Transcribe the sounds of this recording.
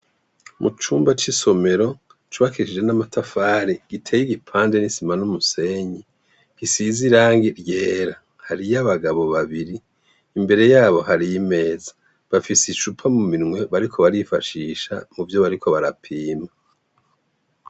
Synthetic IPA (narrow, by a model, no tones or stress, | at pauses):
mʔut͡ʃuːmbat͡ʃiso̞me̞ɾo̞ | t͡ʃuβakiʃid͡ʒe̞namatʰafaɾiɡ̥itʰeːjiɡipʰaːnde̞nisimanumuse̞ɲi | ɡ̥isiziɾaːŋɡiɾje̞ːɾa | haɾijaβaɡaβo̞βaβiɾiː | mbe̞ɾe̞jaːβo̞haɾijime̞ːzḁ | βafisiʃupʰamuminŋwe̞βaɾikʰo̞βaɾifaʃiːʃa̰muvjo̞βaɾikʰo̞βaɾapʰiːma